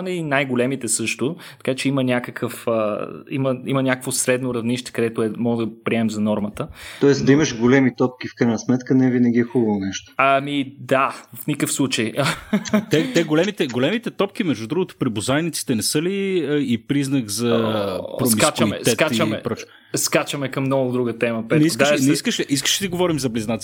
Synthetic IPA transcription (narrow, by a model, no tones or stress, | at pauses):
nɛinajɡolɛmit̪ɛsɤʃt̪o | t̪ɐ̥kat͡ʃɛimənʲakəkʰəfəiməimənʲakəkvosɾɛd̪noɾɐvniʃt̪ɛ̥kɐd̪ɛt̪oɛmɔɡəd̪əpɾiɛmɛmzɐnɔɾmət̪ət̪ɔɛsd̪ɐimɐʃɡolɛmit̪ɔp̚k̟ifkɾajnɐsmɛt̪kənɛvinɐɡʲiɛxubɐvonɛʃt̪o̥ɐmid̪afnʲikəfslˠut͡ʃəj | t̪ɛt̪ɛɡolɛmit̪ɛɡolɛmit̪ɛt̪ɔpk̟imɛʒd̪ud̪ɾuɡot̪o̥pɾibozajnit̪si̥t̪ɛnɛsɤliipɾiznəkzɐpɾosmikaat͡ʃɐmɛ̰ɛtkat͡ʃɐmɛpɾɔt͡ʃ | skat͡ʃəmɛkɐmːnɔɡʊd̪ɾuɡət̪ɛməpɛt̪niosd̪anɛiskəʃɛʔiskə̥ʃd̪iɡovɔɾimzɐbliznat̪s